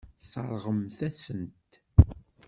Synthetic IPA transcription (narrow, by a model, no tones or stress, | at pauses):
sˤɑ̰ɾˤʁəmθæsənt̪